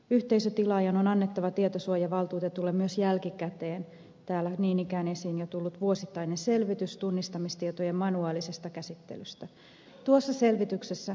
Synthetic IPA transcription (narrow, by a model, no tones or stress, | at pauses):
yht̪eisøt̪ilɑjɑnonɑnːet̪ːɑʋɑt̪iet̪osuojɑʋɑlt̪uːt̪et̪ːulːemmyøsjælkikæt̪eːn | t̪æːlːæniːnikæːnesiːnjot̪ulːut̪ʋuosit̪ːɑinenselʋit̪yst̪unːist̪ɑmist̪iet̪ojemmɑnuɑːlisest̪ɑkæsit̪ːḛlyst̪æ | t̪uosːɑselʋit̪yksesːæ